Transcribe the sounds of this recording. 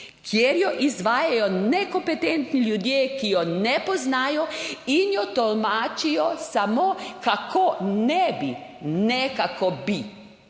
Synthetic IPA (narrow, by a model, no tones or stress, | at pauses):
kʰjeɾjɔʔizʋaːjajɔnɛkɔmpɛt̪ɛnt̪niljud̪jeːkijɔnɛpɔznaːjɔinjɔt̪ɔlmaːt͡ʃijɔsamokakʰonɛbinɛkakɔbi